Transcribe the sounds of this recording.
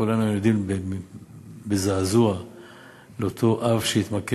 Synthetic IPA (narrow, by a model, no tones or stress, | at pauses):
ulanujod̪imbe | bezaːzua | leot̪ʰo̞ʔavʃeit̪make